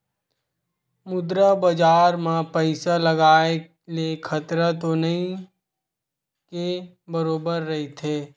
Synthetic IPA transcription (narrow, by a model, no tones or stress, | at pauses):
mʊd̪ɾabəd͡ʒaːɾmãpəɪsaləɡaːe | lekʰɐt̪ɾat̪onɐɦĩ | ke | bəɾoːbəɾːɐɦit̪ʰeː